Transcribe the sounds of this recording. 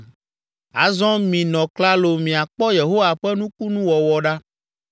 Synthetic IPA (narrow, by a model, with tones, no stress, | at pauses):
a˨zɔ̃˦mĩ˨nɔ̃˨kla˦lo˨mĩ˨a˨k͡pɔ˦je˨ɦo˦wa˨ɸɛ˦nũ˦ku˦nũ˦wɔ˨wɔ˨ɖa˦